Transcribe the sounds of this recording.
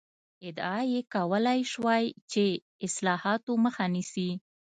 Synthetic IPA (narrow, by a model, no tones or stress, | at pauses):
ɪd̪ɑjekawəlajʃwajt͡ʃe | ɪslɑhɑt̪oməxanisi